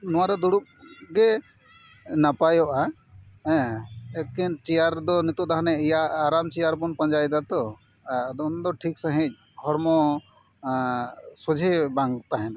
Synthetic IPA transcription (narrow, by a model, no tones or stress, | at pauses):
nɔwaɾɔd̪uɽup̚ɡɛ | napajɔʔa | ɛ̃ɛkint͡ʃɛjaɾd̪ɔnit̪ɔʔd̪aɦanɛijaːɾamt͡ʃɛjaɾbɔnpəɲd͡ʒajd̪at̪ɔ | d̪ɔnd̪ɔʈʰiksaɦĩc̚ˀ | hɔɾmɔ | sɔd͡ʒʱebãŋɡt̪aɦɛna